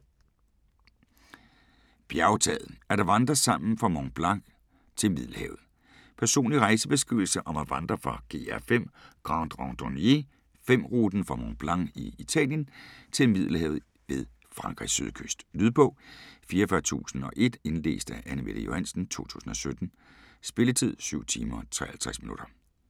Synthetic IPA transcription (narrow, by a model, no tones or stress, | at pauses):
b̥jæʊt͡sʰɛ̰ð̩ˠæɐɾ̥ɑ̈ʋɑ̈nd̥ʁɐsɑ̈m̰n̩fʁɑ̈mɒŋb̥lɑ̈ŋ | t͡sʰe̝lmið̰ˠl̩hɛ̰ːʊð̩ˠ | pʰæɐso̝̰ːnliʁɑ̈ɪsəb̥e̝sɡ̥ʁiʊl̩səʔɒ̽mæʋɑ̈nd̥ʁɐfʁɑ̈ɡ̥e̝ːæfem̰ɡ̥ʁɑnd̥ʁɑŋd̥onje̝ | fem̰ʁuːd̥n̩fʁɑ̈mɒŋb̥lɑ̈ŋiit͡sʰɛ̰ːljənt͡sʰe̝lmið̞̰ˠl̩hɛ̰ːʊð̩ˠ | ʋe̝ð̞ˠ | fʁɑ̈ŋɡ̥ʰʁḭsy̰ð̞ˠkʰøsd̥nyðˠpʰɔ̽fiːɐfɶːɐt͡sʰṵːsn̩ɒ̽ʔe̝d̥e̝nle̝̰ːsd̥æʔænəmḛl̥əjo̝hæn̰sn̩t͡sʰo̝̰ːt͡sʰṵːsn̩ɒ̽sød̥n̩ | sb̥e̝lət͡sʰið̞̰ˠsyʊ̰t͡sʰḭːmɐt͡sʰʁɛ̰ːɐhælt͡sʰʁɛsminṵd̥ɐ